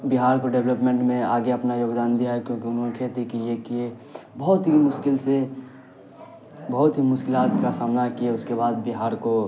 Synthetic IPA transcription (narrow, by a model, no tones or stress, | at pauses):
biɦaːɾkoɖeʋləpmẽɳʈmẽaːɡeɐpnajoːɡd̪aːnd̪ijaɦɛkjõːkiʊnɦõnekʰeːt̪ekijekie | bɔɦt̪ɦimʊʃkɪlse | bɔɦʊt̪ɦimʊʃkɪlaːt̪kasaːmnakieʊskebaːd̪̚biɦaːɾko